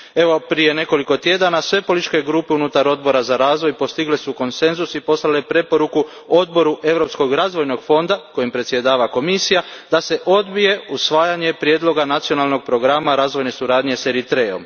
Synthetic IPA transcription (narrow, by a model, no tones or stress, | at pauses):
e̞ʋo̞pɾije̞ne̞ko̞liko̞t̪jed̪anasʋe̞po̞lit͡ʃke̞ɡɾuːpeunut̪aɾo̞d̪bo̞ɾazaɾaːzʋojpo̞st̪iɡlesuko̞nse̞nzusipo̞slale̞pɾe̞po̞ɾuku | o̞d̪bo̞ɾuʔe̞ʋɾo̞psko̞ɡɾazʋo̞jno̞ɡfo̞nd̪ako̞jimpɾet̪sje̞d̪aːʋako̞misijad̪̥ase̞ʔo̞d̪bije̞usʋaːjaɲe̞pɾje̞ːd̪lˠo̞ɡanat̪sio̞nalˠno̞ɡ̚pɾo̞ɡɾamaɾaːzʋo̞jne̞suɾaːd̪ɲese̞ɾit̪ɾe̞o̞̰m